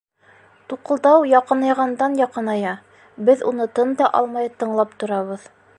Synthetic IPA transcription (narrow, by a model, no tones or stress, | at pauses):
t̪uqɤ̆lˠd̪ɑwjɑqɤ̆nɑjʁɑnd̪ɑnjɑqɤnɑjɑ | bɘðunɤt̪ɤnd̪ɑʔɑlˠmɑjt̪ɤ̆ɴlˠɑpt̪ŏɾɑβɤð